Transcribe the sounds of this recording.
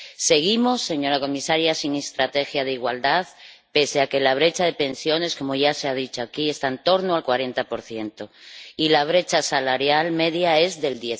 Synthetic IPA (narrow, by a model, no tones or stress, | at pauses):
se̞ɣimo̞sːe̞ɲo̞ɾako̞misaɾjasiŋe̞st̪ɾat̪e̞xjað̞eiɣwald̪að | pe̞seake̞laβ̞ɾe̞t͡ʃaðe̞pe̞nsjo̞ne̞sko̞moʝase̞að̞it͡ʃoakiest̪aent̪o̞ɾnoalkwaɾe̞nt̪apo̞ɾθje̞nt̪o̞ilaβ̞ɾe̞t͡ʃasalaɾjalme̞ðjae̞zðe̞ld̪je